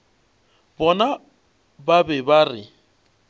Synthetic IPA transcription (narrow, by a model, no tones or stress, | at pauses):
bɔna | babɛbarɪ